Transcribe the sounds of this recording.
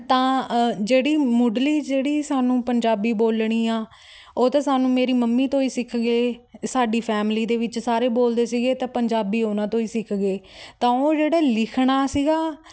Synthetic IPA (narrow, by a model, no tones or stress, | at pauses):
t̪ãːd͡ʒeːɽiːmʊɖliːd͡ʒeːɽiːsaːnũːpəɲd͡ʒaːbiːboːlɽ̃iːaː | oːt̪ãːsaːnũːmeːɾiːməmːiːt̪õːiːsɪkʰɡeːsaːɖiːpʰɛːmliːd̪eːʋɪt͡ʃsaːɾeːboːld̪eːsiːɡeːt̪ãːpəɲd͡ʒaːbiːonãːt̪õːiːsɪkʰɡeːt̪ãːoːd͡ʒeːɽaːlɪkʰɳaːsiːɡaː